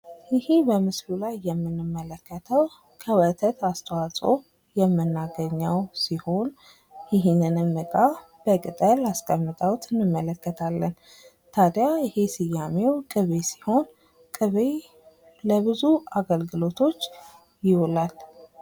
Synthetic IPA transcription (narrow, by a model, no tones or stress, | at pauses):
jɪhebəmɨslulajːɛmːɨnːɨmːələkːət̪ʰəw | kʰəwət̪ʰət̪ast̪ʰəwasʼo̰ | jɛmːɨnːaɡəɲːəwsiho̞n | jɪɦnɨnɨmɨkʼa | b̥əkʼɨt̪ʼəlaskʼəmːɨt̪ʼəwt̪ʰɨnːɨmːələkːət̪ʰalːən | t̪ʰad̪jaɪhesɨjːamewkʼɨβesi̥ho̞n | kʼɨβe | ləbɨzuaɡəlɡɨlo̞t̪ʰo̞t͡ʃː | jɪwolal